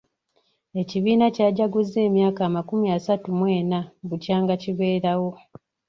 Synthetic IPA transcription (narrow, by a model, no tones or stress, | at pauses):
e̞ciβiːnacaːɟaɡuzːe̞ːmjaːkaːmakumiasatumweːnabucaːŋɡaciβeːɾawo̞